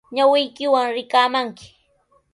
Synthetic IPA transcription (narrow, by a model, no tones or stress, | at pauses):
ɲawɪjkɪwaŋɾɪkaːmaŋkɪ̥